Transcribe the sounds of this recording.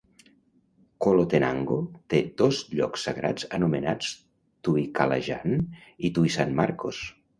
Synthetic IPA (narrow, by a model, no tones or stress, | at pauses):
kolot̪ena̰ŋɡot̪ed̪ozʎɔ̰ksːaɣɾʔa̰d͡zənumenat͡s | t̪uikala̰ʒa̰nit̪uisanmaɾkos